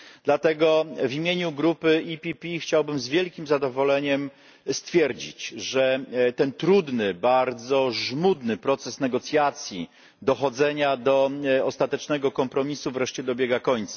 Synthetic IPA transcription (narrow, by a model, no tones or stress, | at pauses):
d̪lat̪ɛɡɔvʲimʲjeɲuɡɾupɘipʲipʲixt͡ɕawbɘmzvʲjɛlkʲimzad̪ɔvɔlɛɲɛm | st̪fʲjɛɾd͡ʑḭt͡ɕʐɛt̪ɛnt̪ɾud̪nɘbaɾd̪zɔʐmud̪nɘpɾɔt̪sɛsnɛɡɔt̪sʲjat̪sʲjḭ | d̪ɔxɔd̪zɛɲad̪ɔɔst̪at̪ɛt͡ʂnɛɡɔkɔmpɾɔmʲisuvɾɛʂt͡ɕɛd̪ɔbʲjɛɡakɔɲt̪sḁ